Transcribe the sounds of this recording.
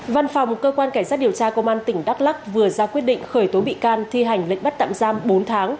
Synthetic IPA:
va˧nfa˨˩wŋ͡mmo˨˩t̚kəː˧kwaː˧nka˧˩ŋ̟zaː˦˥t̚ɗi˨˩əwt͡ɕaː˧kə˧wŋ͡mʔaː˧nt̪ï˧˩ŋ̟ɗa˦˥k̚la˦˥k̚vɨ˨˩əzaː˧kwi˦˥ət̚ɗḭ˧˨ŋ̟xəː˧˩jt̪o˨˦ɓḭ˧˨kaː˧nt̪ʰi˧ɦa˨˩jŋ̟lə̰˧˨ŋ̟ɓt̚t̪a̰ː˧˨mzaː˧mɓo˨˦nt̪ʰaː˨˦ŋ

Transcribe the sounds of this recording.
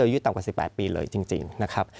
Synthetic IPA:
ɤː˧juː˦˥t̪a˨˩kaː˨˩si˨˩pːɛ̰ː˨˩t̪̚piː˧lɤ̰ː˧jt͡ɕi˧ŋt͡ɕḭ˧ŋna˦˥kʰa˦˥p̚

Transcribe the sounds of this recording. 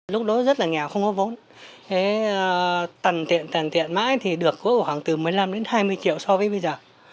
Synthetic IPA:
lʊ˦˥k͡p̚ɗɔ˨˦zə˦˥t̚laː˨˩ŋɛ˨˩wxə˧wŋ͡mkɔ˨˦vo˨˦n | ʔe˨˦˨ | t̪ə˨˩nt̪ḭ˧˨ənt̪ə˨˩nt̪ḭ˧˨ənma̰ː˧˥jt̪ʰi˨˩ɗɨ˨˩əkːu˨˦jkɔ˧˩xwaː˧˩ŋt̪ɨ˨˩mɨ˨˩əjla˧mɗe˨˦nhaː˧jmɨ˧əjt͡ɕḭ˧˨əwsɔ˧vəː˨˦jɓə˧jzəː˨˩

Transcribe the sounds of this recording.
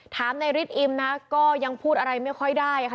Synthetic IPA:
t̪ʰaː˩˦mna˧jɾi˦˥t̪̚ʔi˧mna˦˥kɔː˥˩ja˧ŋpʰuː˥˩t̪̚a˧ɾa˧jma˥˩jkʰɔ˥˩jdaː˥˩jʰa˥

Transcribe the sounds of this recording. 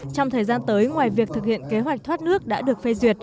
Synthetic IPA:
t͡ɕɔ˧wŋ͡mt̪ʰəː˨˩jzaː˧nt̪əː˨˦jŋwaː˨˩jvi˨˩ək̚t̪ʰɨ˨˩k̚hḭ˧˨ənke˨˦ɦwa˨˩k̚t̪ʰwaː˦˥t̚nɨ˦˥ək̚ɗa̰ː˧˥ɗɨ˨˩ək̚fe˧zwi˨˩ət̚

